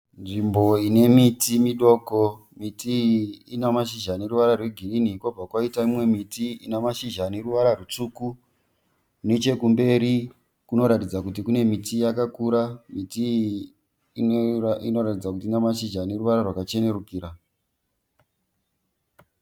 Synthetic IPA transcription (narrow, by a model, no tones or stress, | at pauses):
nʐimbo̞ine̞mitimiɗo̞ːko | mitiinamaʃiʒane̞ruʋaɾarwe̞ɡʱiriniːko̞b͡vakwaitaimwe̞mitiinamaʃiʒane̞ruʋaɾarut͡suku | ne̞t͡ʃe̞kumbe̞ɾi | kuno̞ɾatid͡zakutikune̞mitijakakuɾamiti | inoratid͡zakutiːnamaʃiʒane̞ruʋaɾarwakat͡ʃe̞ne̞rukiːɾa